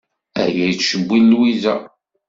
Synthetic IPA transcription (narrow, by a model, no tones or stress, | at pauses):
æ̰jæjt͡sːʃəbʷːilːwizæ